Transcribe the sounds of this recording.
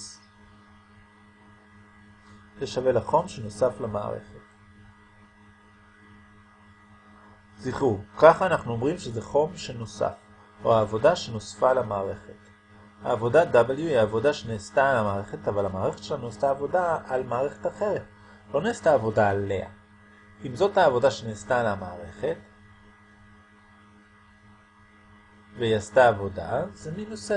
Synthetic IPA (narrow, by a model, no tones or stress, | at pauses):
zeʃave̞laχo̞mʃeno̞saflama̰ːʁe̞̰χet | ziχukaχanaχnuo̞mʁimʃe̞zeχo̞mʃe̞no̞sa̰f | o̞haːvo̞daʃe̞no̞sfalamaːʁe̞χe̞t | ha̰ːvo̞dad̪abeljuiavo̞daʃeneːstalamaːʁe̞χetavalamaːʁeχetʃelanujastaːvo̞daalmaːʁe̞χetaχe̞ʁet | lo̞neːstaːvo̞daːle̞a̰ | imzo̞thaːvo̞daʃeneːstalamaːʁe̞χe̞t | vejastaːvo̞da̰zeminose